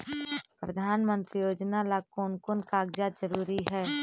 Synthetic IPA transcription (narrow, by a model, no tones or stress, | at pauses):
pɾəd̪ʱaːnmə̃nt̪ɾijoːd͡ʒnalakoːnkonkaːɡd͡ʒazəɾuːɾiɦɛː